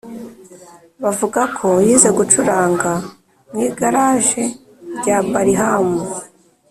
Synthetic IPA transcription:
βavuɡakʰo̞jiːze̞ɡut͡ʃuɾaːŋɡa | mŋiːɡaɾaːʒe̞ | ɾɟaːbaɾiɦamu

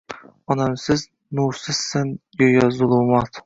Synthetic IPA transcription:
ɒnamsɪz | nuɾsɪz̥sɪnjojɑzʊlˠumɑt̪

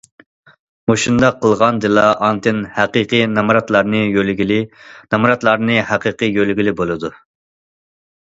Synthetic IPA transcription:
moʃund̪ɑqʰːəlˠʁɑnd̪ɨlˠɑʔɑnt̪ɨnhæqiqʰɨnɑmɾɑt̪lˠɑɾnɨjølɡʲilɪnɑmɾɑt̪lˠɑɾnɨhæqiqɨjølɡʲilɪbolˠɨd̪u

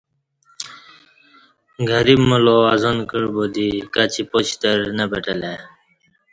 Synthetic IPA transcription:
ɡʱəɾibməloazonkəɽbod̪ikat͡ɕipot͡ɕt̪əɾnəbəʈəle

